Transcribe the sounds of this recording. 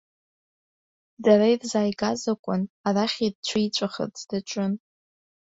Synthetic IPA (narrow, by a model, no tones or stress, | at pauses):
daɾaidzaːjɡazakʷʼʊnaraχʲid̚t͡ɕʷʰait͡ʃʷʼaχə̰t͡sʰʼd̥at͡ʃʷʼɨn